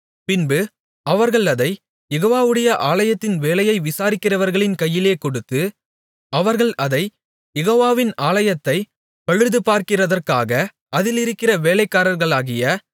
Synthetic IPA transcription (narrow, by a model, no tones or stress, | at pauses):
pɪnbɯ | ɐʋɐɾɣɐɭɐðɐɪ | jɛɣoːʋaːʋɯɽɐjɐʔaːɭɐjɐt̪ːɪnʋeːlɐjɐɪʋɪsaːɾɪkːɪrɐʋɐɾɣɐɭɪnkɐjːɪleːkɔɽɯt̪ːɯ | ɐʋɐɾɣɐɭʔɐðɐɪ | jɛɣoːʋaːʋɪnaːɭɐjɐt̪ːɐɪ | pɐɻɯɾðɯpaːɾkɪrɐðɐrkaːɣɐ | ɐðɪlɪɾɯkːɪrɐʋeːlɐɪkːaːɾɐɾɣɐɭaːɣɪjɐ